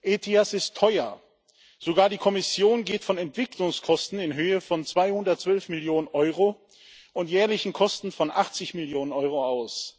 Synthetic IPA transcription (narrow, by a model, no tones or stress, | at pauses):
ʔeːtʰiasɪstʰːɔʏɐ | z̥oɡaːɐdiːkʰɔmɪsjoːnɡeːtfɔnɛntv̥ɪkʰlʊŋskʰɔstn̩ɪnɦøːəfɔnt͡sv̥aɪhʊndɐt̚t͡sv̥œlfmɪljoːnənʔɔʏʁo | ʔʊntjɛːɐlɪçn̩kʰɔstn̩fɔnʔa̰χt͡sɪçmɪljoːnənʔɔʏʁoaʊs